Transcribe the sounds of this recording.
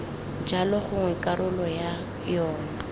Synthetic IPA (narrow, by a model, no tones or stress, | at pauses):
d͡ʒalɔχʊŋwɛkʼaɾʊlɔja | jɔːna